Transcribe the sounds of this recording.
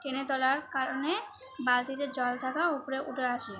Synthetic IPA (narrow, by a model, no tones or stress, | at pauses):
ʈenet̪ɔlaɾkaɾone | balt̪id̪ed͡ʑɔlt̪ʰakaupoɾeʔuʈʰeaʃi